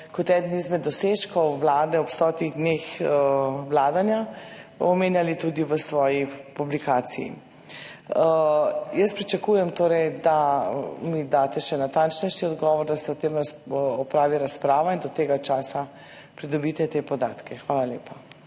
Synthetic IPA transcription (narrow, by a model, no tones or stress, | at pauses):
kɔt̪ɛd̪nizmɛd̪ɔseʃkɔwʋlaːd̪ɛɔpst̪ɔːt̪iɣd̪nexəwlaːd̪anjaɔmeːnjalit̪uːd̪iʋəsʋɔːjipublikaːsijḭ | jəspɾit͡ʃakuːjɛmt̪oːɾɛjd̪amid̪aːt̪ɛʃɛnat̪ant͡ʃnɛjʃiɔd̪ɡɔʋɔɾd̪asɛɔt̪emɾaɔpɾaːʋiɾaspɾaːʋaind̪ɔt̪eːɡat͡ʃaːsa | pɾid̪ɔbiːt̪ɛt̪epɔd̪aːt̪kɛxʋaːlaljeːpa